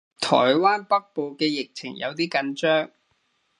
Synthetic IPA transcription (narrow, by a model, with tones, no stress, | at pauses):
t̪ʰɔ̰ː˨˩jwaː˥npɐ˥k̚po˨wkɛː˧jɪ˨k̚t͡sʰɪ̰˨˩ŋjɐ̰˨˧wt̪iː˥kɐ˨˧nt͡ʃœː˥ŋ